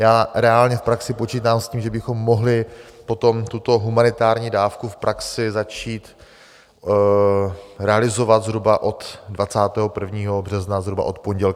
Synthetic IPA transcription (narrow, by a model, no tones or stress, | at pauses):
jaːɾɛalɲɛfpɾaksɪpo̞t͡ʃiːt̪aːmsciːmʒɛbɪxo̞mːo̞ɦlɪpo̞t̪o̞mt̪ut̪o̞ɦumanɪt̪aːɾɲiːdaːfkufpɾʔaksɪzat͡ʃiːt̪ | ɾɛalɪzo̞vad̪zɦɾubaʔo̞t̪dvat͡saːt̪ɛːɦopr̩vɲiːɦo̞br̝ɛznazɦɾuba̰ʔo̞t̪po̞ɲɟɛl